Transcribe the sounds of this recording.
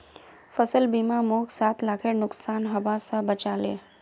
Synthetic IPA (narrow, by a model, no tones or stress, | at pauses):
fəsəlbimãmokʰsat̪ʰlakʰenʊksanɦəʋasabət͡ʃalḛ